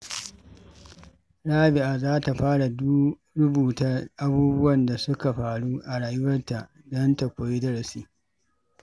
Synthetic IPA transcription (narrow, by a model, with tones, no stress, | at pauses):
ɽaː˦bɪ˨ʔaː˨zaː˦ta˨ɸaː˦ɽa˨du˦ | ɾʊ˦buː˨ta˦ʔa˦buː˦bʊ˦wɐ˨nda˨sʊ˦ka˨ɸaː˨ɽuː˦ʔa˨ɽaː˨jʊ˦wɐ˦rta˨ʔ | dɔ˦nta˨kʷoː˨ji˦dɐ˦ɽɐ˨siː˦